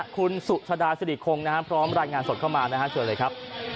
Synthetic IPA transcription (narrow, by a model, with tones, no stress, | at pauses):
kʰu˧nsu˨˩ʔt͡ɕʰa˧daː˧sa˧di˨˩kʰo˧ŋna˦˥kʰa˦˥pʰɾɔː˦˥mɾaː˧jŋaː˧nso˨˩t̪̚kʰa˥˩wmaː˧na˦˥kʰa˦˥t͡ɕʰɯ˧lɤː˧jkʰɾa˦˥p̚